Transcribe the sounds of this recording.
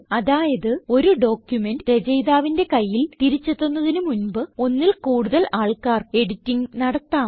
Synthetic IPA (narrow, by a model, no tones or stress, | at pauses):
ɐðaːjɐðɨo̞ɾuɖo̞ːkjumendɾed͡ʑɐjðaːʋinde̞kɐjːilt̪iɾit͡ɕːɐt̪ːonːɐðinumunbɨo̞nːilkuːɽuðɐlaːɭkaːre̞ɽitːiŋnɐɽɐt̪ːaːm